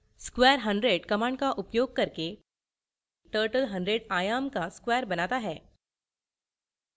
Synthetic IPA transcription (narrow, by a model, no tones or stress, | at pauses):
skʋɛəɾɦəɳɖɾeɽkəmãɳkaʔupjoɡ̚kəɾke | ʈəɾʈəlɦəɳɖɾeɽajamkaskʋɛəɾbənat̪aɦɛ